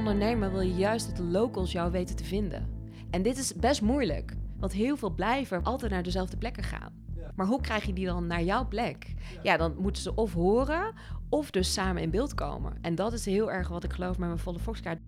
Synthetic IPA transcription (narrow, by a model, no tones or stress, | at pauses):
ndəɹnejməɹʋɪlˠjəjœɥstɔdəlowkəlˠsjɔwʋejtətəvɪndə̰n | ʔɛndɪtɪsbɛstmujlə̰kʋɑntɦɪːlˠvɪːlˠblɛjvəʔɑlˠtɛjtnaːɹdəzɛlˠvdəplɛkəχa̰ːnmaːɹɦukrɛjχjədidɑnːaːɹjɔwplɛkjaːdɑnmutəzəʔɔfɦʊːrə | ɔfdɵsaːməɪnbɪːlˠtko̰wmə̰ʔɛndɑtɪsɦɪːlˠɛɹχʋɑtɪkχəlowfmɛmənfɔlˠəfɔkskaːɹ